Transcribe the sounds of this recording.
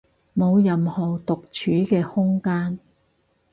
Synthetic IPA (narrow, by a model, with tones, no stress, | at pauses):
mo˨˧wjɐ˨mhɔː˨˩wt̪ʊ˨k̚t͡ʃʰyː˨˥kɛː˧hʊ˥ŋkaː˥n